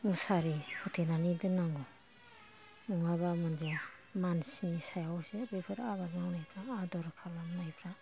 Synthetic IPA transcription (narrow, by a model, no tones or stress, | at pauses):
musaɾihutʰenanidɯnaŋɡɔ | nɔŋabamɯnd͡ʒa | mansinisajawsiɾupʰeɾabaɾŋawnajpʰɾaːdɔɾakʰalamnajpʰɾa